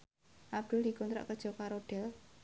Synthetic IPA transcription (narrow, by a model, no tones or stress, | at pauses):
ʔab̚d̪̥ʊld̥i̤kɔnt̪ɾa̰ʔkəd̥ʒ̥ɔ̤kaɾoɖ̪̥ɛl